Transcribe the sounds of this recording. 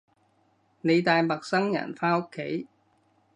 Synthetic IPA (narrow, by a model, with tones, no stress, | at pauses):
ne˨˧jt̪aː˨jmɐ˨k̚sɐ˥ŋjɐ̰˨˩nfaː˥no˥kʰːe˨˥j